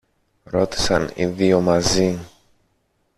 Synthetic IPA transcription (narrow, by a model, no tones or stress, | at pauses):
ɾo̞t̪i̥sɐ̰nḭðio̞mɐzi